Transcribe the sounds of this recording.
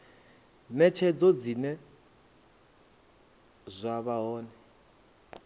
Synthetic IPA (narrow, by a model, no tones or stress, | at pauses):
nɛt͡ʃʰɛd͡zɔd͡zinɛ | zʷaβaɦɔːnɛ